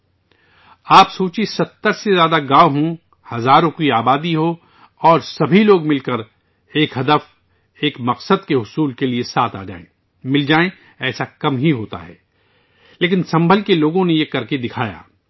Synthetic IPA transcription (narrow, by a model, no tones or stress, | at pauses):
aːpsoːt͡ʃisɐt̪ːəɾsezjaːd̪aɡãːʋɦũ | hɐzaːɾõkiaːbaːd̪iɦo | ɔːɾsɐbʱiloːɡmɪlkəɾ | eːkɦɐd̪əf | eːkmɐqsəd̪̚keɦʊsuːlkeliesaːt̪ʰa̰ːd͡ʒa̰ːḛ̃ | mɪld͡ʒaːẽ | ɛːsakɐmɦiɦoːt̪a̰ɦɛ̰ː | leːkɪnsɐ̃mbʱəlkeloːɡõnejekɐɾked̪ɪkʰaːja̰ː